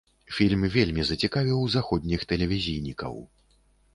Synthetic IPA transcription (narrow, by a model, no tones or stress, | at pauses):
fʲilʲmvʲelʲmʲizɐt͡sʲikavʲiwzaxɔd̪ʲnʲixt̪ɛlʲɛvʲizʲijnʲikɐ̰w